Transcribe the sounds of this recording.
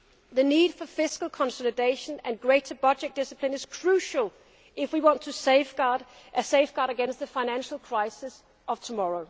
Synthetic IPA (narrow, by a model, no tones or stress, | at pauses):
ðəniːd̥fəfɪskəl̩ˠkʰɒ̃nsɔlɨdeɪʃə̃næ̃nɡɹeɪɾəb̥ɒd͡ʒɛk̚d̥ɪsəpʰlɪ̃nɪz̥kʰɹ̥ʉʃəl̩ˠ | ɪfwiwɑ̃ntʰəsefɡ̥ɑd | seɪvɡ̥ɑːɾəɡɛ̃nst̪̚ðəfaɪnæ̃nʃəl̩ˠkʰɹ̥aɪsɪs | ʔʌv̥tʰəmɒɹoʊ